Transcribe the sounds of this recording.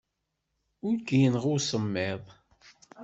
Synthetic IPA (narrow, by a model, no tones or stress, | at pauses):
ʊɾɡijənʁʊɾsəmːɪðˤ